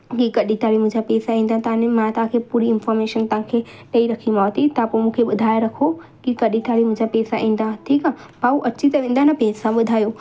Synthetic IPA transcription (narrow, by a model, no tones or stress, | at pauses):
kikɐɗit̪aːɽimʊ̃ɦd͡ʑapɛːsaĩːn̆d̪ãt̪ɐɦãnemãt̪aɦãkʰepuːɾiɪnfɔːɾmeːʃənt̪ɐɦãkʰeɗɐiɾɐkʰimaːt̪it̪ãpomũːkʰeɓʊd̪ʱaːeɾɐkʰo | kikɐɗit̪aːɽimʊ̃ɦd͡ʑapɛːsaʔĩːnd̪at̪ʰikãbauʔɐt͡ɕʰit̪ɐʋẽːnd̪anɐpɛːsaɓʊd̪ʱaːjoː